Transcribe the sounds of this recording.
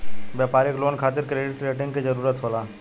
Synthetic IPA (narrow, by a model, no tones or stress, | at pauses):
bjapaːɾɪkloːnkʰaːt̪ɪɾkɾeːɖɪʈɾeːʈɪ̃ŋɡkid͡ʒəɾuːɾət̪ɦolaː